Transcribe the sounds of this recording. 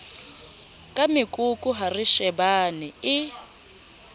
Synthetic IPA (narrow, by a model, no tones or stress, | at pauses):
kʼamɪkʼukʼuɦariʃɛbaniɪ